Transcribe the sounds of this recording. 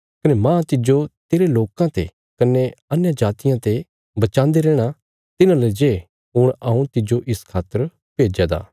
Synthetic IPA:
kɐnemãːt̪ɪd͡ʒot̪eːɾeloːkãt̪ḛ | kɐneɐnjad͡ʒaːt̪ɪjãt̪e | bɐt͡ʃãːnd̪eɾɛːɽ̃a | t̪ɪnãled͡ʒe | ɦʊɽ̃ɐũt̪ɪd͡ʒoʔɪskʰaːt̪əɾ | peːd͡ʒad̪a̰ː

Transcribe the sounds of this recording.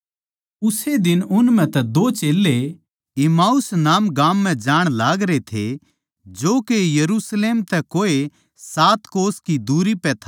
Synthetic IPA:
ʊsed̪ɪnʊnmɛ̃t̪ɛd̪oːt͡ʃeːlːe | ɪmaːʊsnaːmɡãːmːɛ̃d͡ʒaːɽ̃laːɡɾet̪ʰḛ | d͡ʒoːkejɐɾusleːmt̪ɛkoːe | saːt̪koːskid̪uːɾipɛt̪ʰa

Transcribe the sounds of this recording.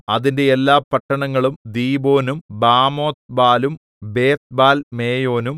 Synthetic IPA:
ɐðinde̞elːaːpɐʈːɐɳɐŋːɐɭumd̪iːbo̞ːnumbaːmo̞ːt̪̚baːlum | be̞ːt̪̚baːlme̞ːjo̞ːnum

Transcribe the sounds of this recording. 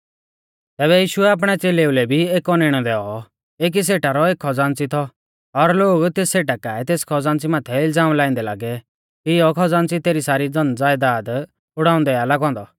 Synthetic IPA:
t̪ɛːβɛjiːʃʊɛaːp̬ɽ̃ɛt͡seːleulɛbʱieːkɔneɽ̃ɔd̪ɛːɔ | eːk̬is̬eːʈaɾɔeːkʰːɔd͡zãːnt͡sit̪ʰɔ | ɔɾloːɡt̪eːseːʈakaːɛt̪eːskʰɔd͡zãːnt͡simaːt̪ʰɛɪld͡zaːmlaːĩnd̪ɛla̰ːɡɛ | kiɔkʰɔd͡zãːnt͡sit̪eːɾisaːɾid͡zɔnd͡zaːjd̪aːd̪ | ʊɽaːʊ̃nd̪ɛalaɡɦɔ̃ːnd̪ɔ

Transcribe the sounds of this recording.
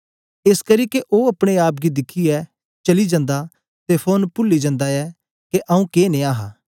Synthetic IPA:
eskɐɾikeʔoːɐpɽ̃eaːp̚ɡid̪ɪkʰːiɛ | t͡ʃɐlid͡ʒãːnd̪a | t̪epʰoːnpʊlːid͡ʒãnd̪aɛ | keʔɐũkeːnẽaːɦaː

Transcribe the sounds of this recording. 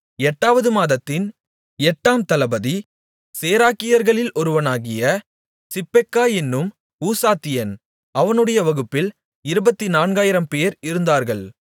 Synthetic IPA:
ɛʈːaːʋɐðɯmaːðɐt̪ːɪn | ɛʈːaːmt̪ɐlɐbɐði | seːɾaːkɪjɐɾɣɐɭɪlʔɔɾɯʋɐnaːɣɪjɐ | sɪpːɛkːaːɛnːɯm | uːsaːt̪ːɪjɐn | ʔɐʋɐnɯɽɐjɐʋɐɣɯpːɪl | ɪɾɯbɐt̪ːinaːnɡaːjɪɾɐmpeːɾɪɾɯnd̪aːɾɣɐɭ

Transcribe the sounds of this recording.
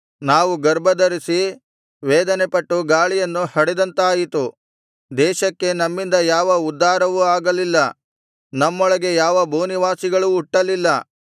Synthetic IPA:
naːʋuɡɐɾbɐd̪ɐɾisi | ʋɛːd̪ɐne̞pɐʈːuɡaːɭijɐnːuhɐɽɛd̪ɐnt̪aːjit̪u | d̪ɛːʃɐkːe̞nɐmːind̪ɐjaːʋɐud̪ːaːɾɐʋuaːɡɐlilːɐ | nɐmːɔɭɐɡe̞jaːʋɐbʱuːniʋaːsiɡɐɭuːʈːɐlilːɐ

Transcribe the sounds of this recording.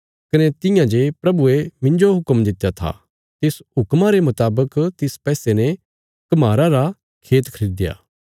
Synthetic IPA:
kɐnet̪ɪ̃jãd͡ʒepɾɐbuemɪ̃nd͡ʒoɦʊkəmd̪ɪt̪ːjat̪ʰa̰ | t̪esɦʊkmaɾemɐt̪aːbəkt̪ɪspɛːsenɛ | kɐmaːɾaɾa | kʰeːt̪kʰɐɾiːd̪ja̰ː

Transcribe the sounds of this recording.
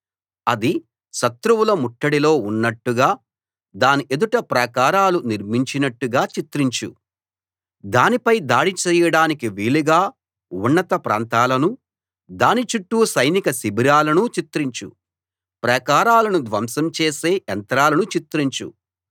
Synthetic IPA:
ɐd̪i | ʃɐt̪ɾuwulɐmuʈːɐɽilo̞ːunːɐʈːuɡaː | d̪aːniʔed̪uʈɐpɾɐkaːɾaːluniɾmiɲt͡ʃinɐʈːuɡaːt͡ʃit̪ɾiɲt͡ʃṵ | d̪aːnipɐjd̪aːɽit͡ʃɛːjɐɽaːnikiʋiːɭiɡaː | uɳːɐt̪ɐpɾa̰ːnt̪aːlɐnu | d̪aːnit͡ʃuʈːusɐjnikɐsibiɾaːlɐnut͡ʃit̪ɾiɲt͡ʃṵ | pɾɐkaːɾaːlɐnud̪ʋɐmsɐmt͡ʃeːseːʔɐnt̪ɾaːlɐnut͡ʃit̪ɾiɲt͡ʃṵ

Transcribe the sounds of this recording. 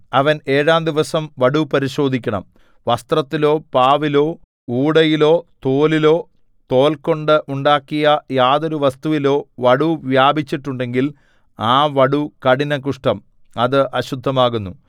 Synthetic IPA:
ɐʋɐne̞ːɻaːmd̪iʋɐsɐmʋɐɽupɐɾiɕo̞ːd̪ʱikʲːɐɳɐ̰m | ʋɐst̪rɐt̪ːilo̞ːpaːʋilo̞ː | uːɽɐjilo̞ːt̪oːlilo̞ː | t̪o̞ːlko̞ɳɖɨʔuɳɖaːkːijɐjaːðo̞ɾuʋɐst̪uʋilo̞ːʋɐɽuʋjaːbʱit͡ɕːiʈːuɳɖe̞ŋɡil | aːʋɐɽukɐɽinɐkuʂʈɐm | ɐðɨʔɐɕud̪ʱːɐmaːɣunːu

